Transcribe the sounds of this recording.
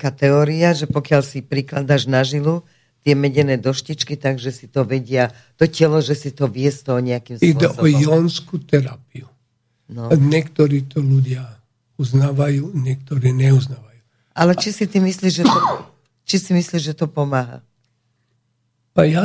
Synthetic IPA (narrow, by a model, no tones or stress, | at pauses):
kaːt̪ɛɔːɾiaʒɛpɔkɪaʎsipɾiklad̪aːʒnaʒilu | t̪ɪɛmɛɟɛnɛːd̪ɔʃcit͡ʃkit̪aɡʒɛsit̪ɔʋɛɟɪa | t̪ɔcɛlɔʒɛsit̪ɔʋɪɛst̪ɔɦɔɲɛakimsiwɔd̪ɛʔsbɔɔjɔnskut̪ɛɾapiu | nɔɲɛkt̪ɔɾiːt̪ɔluɟɪa | uznaːʋajuːɲɛk̚t̪ɔɾiːɲɛuznaːʋaju | ʔalɛt͡ʃisit̪imisliːʒʒɛt̪ɔ | t͡ʃisimisliʒʒɛt̪ɔpɔmaːɦa̰ | paja